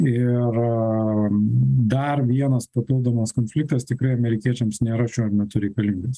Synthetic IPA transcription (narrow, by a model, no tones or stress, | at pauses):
ɪr | d̪ɐrʋʲiɛnɐspɐpʲɪlˠd̪oːmɐskoːnʲfʲlʲɪk̚t̪ɐst̪ʲɪkɾɐɪɐmʲɛɾʲɪkʲiɛt͡ʃʲɛmsnʲeːɾɐʃʲoːɪɾnʲɛt̪ʲʊɾʲɛɪkɐlʲiŋɡʲes